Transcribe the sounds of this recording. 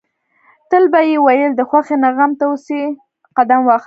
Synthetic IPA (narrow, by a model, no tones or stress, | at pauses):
t̪əlbajewajəld̪əxwaxenaɣamt̪awəsi | qad̪amwɑx